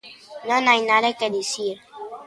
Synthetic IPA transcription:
nõnajnaðeked̪isiɾ

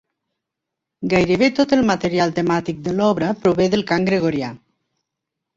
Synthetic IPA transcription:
ɡajɾəβet̪ot̪əlˠmət̪eɾjalˠt̪emat̪ik̚d̪əlɔβɾəpɾuβeðəlˠkaŋɡɾeɣ̞oɾja

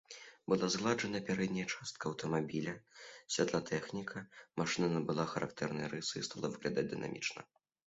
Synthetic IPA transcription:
bɨlˠazɣlˠaʐɐnɐpʲaɾɛd̪ʲnʲɐjɐt͡ʂast̪̚kɐːwt̪ɐmabʲilʲɐsʲvʲad̪lˠat̪ʰɛxnʲikʰɐmaʂɨnɐnɐbɨlˠaxɐɾʔak̚t̪ɛɾnɨjɐɾɨsɨist̪alˠɐvɨɣlʲad̪ad͡zʲd̪ɨna̰mʲḭt͡ʂnɐ̰

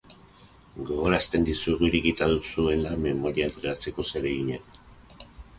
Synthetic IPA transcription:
ɡo̞ɣo̞ɾast̪e̞nd̪isueɣuiɾekit̪aðusue̞lame̞mo̞ɾiaent̪ɾeat͡se̞ko̞se̞ɾe̞ɣiɲen

